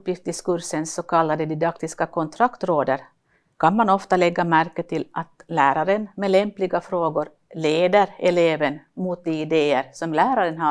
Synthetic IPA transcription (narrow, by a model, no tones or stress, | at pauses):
pjɪft̪ɪskɵɾsənsːɔkʰalːad̪əd̪ɪd̪akt̪ɪskakʰɔnt̪ʰɾakt̪ɾoːd̪əɾ | kʰanmanɔft̪alɛɡːamæɾkːət̪ʰːɪlʔat̪læːɾaɾənmɛlɛmplɪɡafɾoːɡʊɾ | leːd̪əɾɛleːvənmut̪̚d̪ɛɪd̪eːəɾsɔmlæːɾaɾənɦa